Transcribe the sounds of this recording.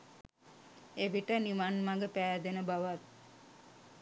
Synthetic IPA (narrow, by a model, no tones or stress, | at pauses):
eʋiʈəniʋanmaɡəpæːd̪enəbaʋat̪̚